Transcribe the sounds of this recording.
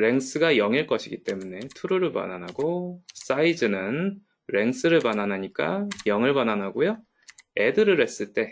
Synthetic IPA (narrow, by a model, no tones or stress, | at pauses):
ɾe̞ŋs͈ʰɯɡajʌŋiɭk͈ʌɕʰiɡit͈e̞mune̞tʰuɾuɾɯɭpa̰nanaɡos͈aid͡ʑɯnɯn | ɾe̞ŋsʰɯɾɯɭpananɦaɲik͈ajʌŋɯɭbananɦaɡojo | e̞dɯɾɯɾe̞s͈ɯɭt͈e̞